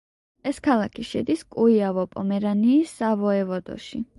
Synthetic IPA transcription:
ɛskʰalˠakʰiʃɛd̪iskʼuiavɔpʼɔmɛɾaniːsːavɔɛvɔd̪ɔ̰ʃḭ

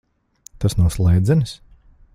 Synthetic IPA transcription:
t̪asnawslˠɛjd̪zʲɛns

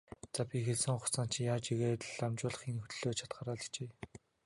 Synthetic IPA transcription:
t͡sapʲixeɮsɘ̆ŋχʊ̥t͡saːn̥t͡ɕʰjaːt͡ɕiɣeːt̪ɮamt͡ɕʊːɮə̆χinxɵt̪̆ɮoːt͡ɕʰḁt̪̚ɢaːɾaːɮ̥̆t͡ɕeː

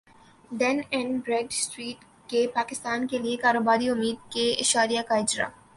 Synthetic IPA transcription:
ɖɛnɛ̃nbɾeːɖsʈɾiːʈ | kepaːkɪst̪aːnkeliekaːɾoːbaːɾiʊmːiːd̪̚keɪ̰ʃaːɾijakaɪd͡ʒɾa̰

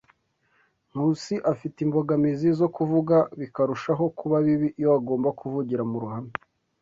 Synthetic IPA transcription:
m̥uːsiʔafitimbo̞ɡamizizo̞kuvuɡaβikaɾuʃaɦo̞kuβaβiβijoaɡo̞ːmbakʰuvuɟiɾamuɾuhami

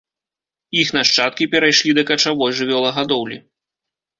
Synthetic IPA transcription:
ixnaʂt͡ʂat̪̚kʲipʲɛɾajʂlʲid̪ɐkɐt͡ʂavɔjʐɨvʲɔlˠɐɣad̪ɔwlʲi

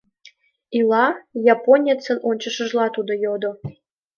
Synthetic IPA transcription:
ilˠɑjaponʲet͡sə̆nonʲt͡ɕə̆ʃə̆ʒlˠɑt̪ud̪ŏjod̪o

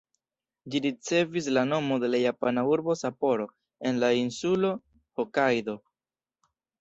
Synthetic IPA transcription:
d͡ʒiɾit͡se̞vis̬lano̞mo̞d̪e̞lajapanauɾbo̞sapo̞ɾo̞ | e̞nlainsulo̞ | hokajd̪o̞

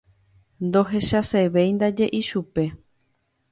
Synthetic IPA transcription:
nd̪o̞ɦe̞ʃaseβe̞jnd̪ad͡ʒe̞ʔiʃupe̞

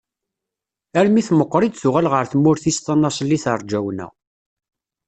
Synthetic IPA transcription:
æɾmiθməqːɾˤid̪θuʁælʁəɾθəmːʊɾθist̪ɑnːɑsˤlːiθəɾˤd͡ʒæwnæ̰

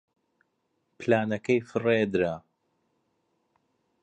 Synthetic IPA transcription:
plaːnɐkɐjfɨred̪ɾa

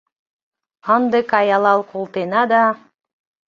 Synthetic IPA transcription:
ɑnd̪ɨkɑjɑlˠɑlˠkʰolˠt̪enɑd̪ɑ

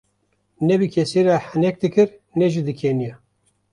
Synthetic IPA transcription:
nɛbɨkʲʰɛseɾahɨnɛk̚d̪ɨkɨɾnɛʒid̪ɨkʰenija

